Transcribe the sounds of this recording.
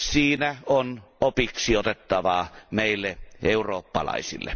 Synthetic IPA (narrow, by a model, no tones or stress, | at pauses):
siːnæonopiksiot̪et̪ːɑʋɑːmeˑilːeʔeuroːpːɑ̰lɑ̰ˑisḭlːḛ